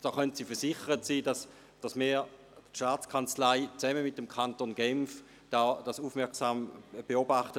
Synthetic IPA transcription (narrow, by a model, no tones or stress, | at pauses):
d̥ɔːχœntsiːfɛɐsɪχəʁətsiːdɑs | d̥ɑsmiː | tʃtaːt͡skʰant͡slaɪt͡sɛməmɪt̚əmkʰantonɡɛmf | d̥aːd̥asuːfmɛɐksaːmb̥eobaχtə